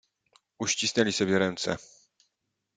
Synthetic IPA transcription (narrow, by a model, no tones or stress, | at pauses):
uɕt͡ɕisnɛlʲisɔbjɛɾɛnt̪sɛ̰